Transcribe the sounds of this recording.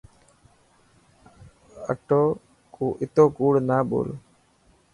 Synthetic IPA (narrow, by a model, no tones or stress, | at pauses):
ɐ̰ʈːo | kuʔit̪ːoːkuːɽunaːbo̰ːl